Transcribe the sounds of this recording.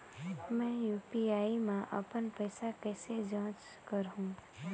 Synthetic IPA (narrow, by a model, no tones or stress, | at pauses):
mɛ̃ːjuːpiaːimãʔə̰pənpəːsakɛːsed͡ʒãːt͡ʃ | kəɾɦũː